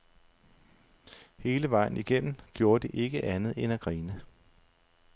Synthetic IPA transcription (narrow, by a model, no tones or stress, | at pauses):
he̝ːləʋɑ̈ɪ̰n̩iɡ̥em̰m̩ɡ̥jo̝ːɐd̥e̝ʔe̝ɡ̥əʔænð̩ˠenæɡ̥ʁiːnə